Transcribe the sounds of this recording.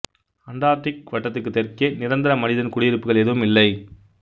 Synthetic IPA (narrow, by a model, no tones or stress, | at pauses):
ɐɳɖaːɾʈːɪk̚ʋɐʈːɐt̪ːɯkːɯt̪ːɛɾkeːnɪɾɐnd̪ɪɾɐmɐnɪðɐnkʊɽɪjɪɾɯpːɯɣɐɭɛðɯʋɯmɪlːɐɪ